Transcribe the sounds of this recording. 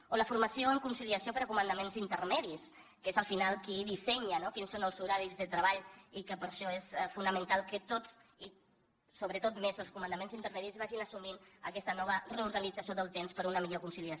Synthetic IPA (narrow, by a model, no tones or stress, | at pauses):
oləfuɾməsijoəŋkunsiliəsiopəɾəkumənd̪əmenzint̪ərmɛðis | kezəlˠfinalˠkiðisɛɲənokinsonəlˠzuɾaɾizðət̪ɾəβaʎikəpəɾʃɔesfunəmənt̪alˠkət̪ot͡si | soβɾət̪ot̪mezəlˠskumənd̪əmẽnzint̪əɾmɛðizβaʒinəsuminə̰kɛst̪ənɔβ̞əreuɾɣənid͡zəsioðəlˠt̪emspəɾunəmiʎokunsiliəs